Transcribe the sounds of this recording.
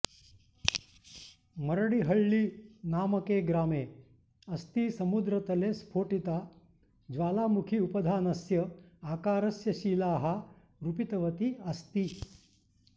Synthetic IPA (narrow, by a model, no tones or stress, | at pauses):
mɐɾɐɽiɦɐɭːinaːmɐkeːɡɾaːmeː | ɐst̪isɐmud̪ɾɐt̪ɐleːspʰoːʈit̪aː | d͡ʒʋaːlaːmukʰiupɐd̪ʱaːnɐsjɐaːkaːɾɐsjɐʃiːlaːɦɐ | ɾupit̪ɐʋɐt̪iɐst̪i